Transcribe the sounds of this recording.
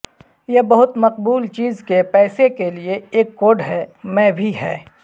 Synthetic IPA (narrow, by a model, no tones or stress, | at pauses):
jebɐɦʊt̪mɐqbuːlt͡ʃiːzkepɛːsekelieeːkːoːɖɦɛːmɛ̃ːbʱiɦɛ̰ː